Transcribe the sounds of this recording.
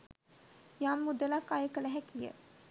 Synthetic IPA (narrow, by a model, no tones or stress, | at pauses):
jamːud̪əlakːajəkələɦækijə̰